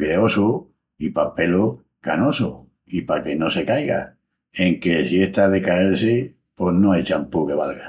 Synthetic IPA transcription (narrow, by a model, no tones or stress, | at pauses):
kɾeo̞su | ipape̞lo | kano̞so | ipake̞no̞se̞kajɣa̰ | eŋke̞sieht̪aðekaelse | po̞ɦnoajt͡ʃampuke̞βalɣa